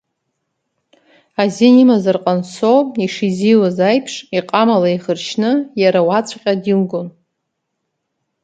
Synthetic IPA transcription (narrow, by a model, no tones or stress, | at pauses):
azinimazarqʼansoiʂiziwazajpʰʂiqʼamalaiχərʃʰnɨjaɾawat͡sʷʰʼqʲʼadimɡon